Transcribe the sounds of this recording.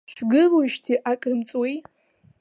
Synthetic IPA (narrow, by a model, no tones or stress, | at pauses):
ʃᶣɡɨluʃtʰiʔakʼɨmt͡sʼwij